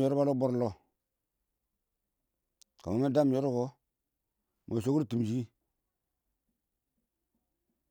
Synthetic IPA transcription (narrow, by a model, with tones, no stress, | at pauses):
jo˦ɾa˦lo˦bo˦ɾlo˦ | ka̰˨ma˨me˦da˦m˨jo˦ɾu˦ko˦ | mʔo̰˨ʃo˦ɡu˦ɾtu˨m˨d͡ʒi˦ɡi˦